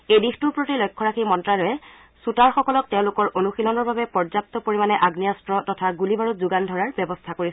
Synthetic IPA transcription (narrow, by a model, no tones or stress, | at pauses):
ejdixtupɹotilɔjkʰːɔɹakʰimɔntɹalɔjɛ | sutaɹxɔkɔlɔk̚tɛʊ̃lʊkɔɹʔonuxilɔnɔɹbabɛpɔɹzap̚t̪ɔpoɹimanɛʔaɡniastɹɔtɔtʰaɡulibaɹutzuɡandʱɔɹaɹbɛbɔstʰakoɹi